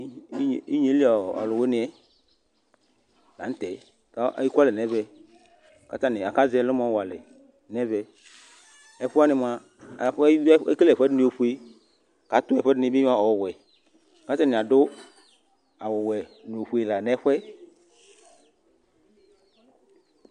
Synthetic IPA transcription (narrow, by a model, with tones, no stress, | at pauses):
i˦ɲe˦li˦ɔ˨ɔ̰˨lʊ˨we˦nɪ˨˦ɛ˨ | la̰˨n̩˦t̪ɛ˨ | ka˦ʔa̰˨ji˦ka˦lɪ˨nɛ˦vɛ˦ | ka̰˦ta˦nɪ˨a˨ka˦zɛ˦lʊ˦mɔ˦wa˨lɪ˨ | nɛ˦vɛ˨ | ɛ˨ɸʊ˦a˦nɪ˨m˨a˨ | ɸɛ˦klɛ˨ɸɛ˦dɪ˦nẽ˨˦o˨ɸu˦e˦ | ka˨˦t̪ʊ˦ɛ˨ɸɛ˦dɪ˦nɪ˦bɪ˦a˦ɔ˨wɛ˨ | ka˨˦ta˦˨nɪ̃˨a˨dʊ˦ | a˨wʊ˨wɛ˨n˨o˨ɸu˨˦e˨la˨nɛ˦ɸwɛ˦